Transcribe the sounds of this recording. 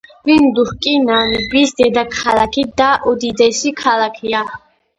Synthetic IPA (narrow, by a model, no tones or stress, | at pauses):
vind̪uhkʼinaːnibisd̪ɛd̪akʰalakʰid̪aʔɔd̪id̪ɛʃikʰalakʰija